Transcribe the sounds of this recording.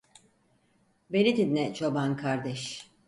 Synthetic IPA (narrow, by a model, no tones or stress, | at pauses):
belid̪inːɛt͡ʃʰobankʰaɾd̪ɛʃ